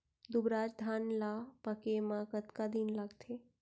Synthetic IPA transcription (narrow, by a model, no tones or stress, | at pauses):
d̪ubɾad͡ʒd̪ʱanlapəkemãkət̪kad̪inlaɡt̪ʰe